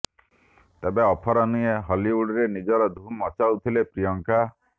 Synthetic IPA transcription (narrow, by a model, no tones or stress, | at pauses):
t̪ebeɔpʰɔɾɔnieɦɔliuɽiɾenid͡ʒɔɾɔd̪ʱumɔt͡ʃawt̪ʰilepɾijɔŋka